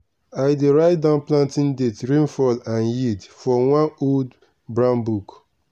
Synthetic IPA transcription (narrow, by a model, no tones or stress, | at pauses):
aɪdeɹaɪt̚dãʊ̃nplãntĩndetɹĩnfɔlãnjidfɹɔwãnold | bɹãnbuk